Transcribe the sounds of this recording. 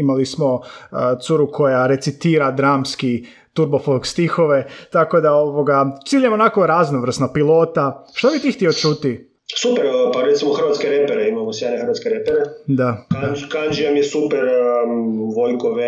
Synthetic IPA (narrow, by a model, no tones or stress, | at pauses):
imalismo̞t̪suɾukʰo̞jaɾe̞t̪sit̪iːɾad̪ɾaːmski | t̪uɾbofolkst̪ixo̞ʋe̞t̪ako̞d̪aoʋo̞ɡat̪siːʎemonako̞ɾaznoʋr̩snopilˠo̞ːt̪aʃt̪obit̪iːxt̪iot͡ʃut̪i | supeɾpaɾet̪simoxr̩ʋat̪skeɾepeɾeimamosjenexɾʋat̪skeɾepeɾed̪akakand͡ʒiamjesupeɾ | ʋojkoʋe